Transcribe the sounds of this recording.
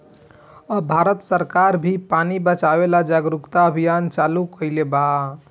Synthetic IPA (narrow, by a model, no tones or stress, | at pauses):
əbʱaɾət̪səɾkaɾbʱipanibət͡ʃabelad͡ʒaɡɾukt̪aəbʱijant͡ʃalukəɪleba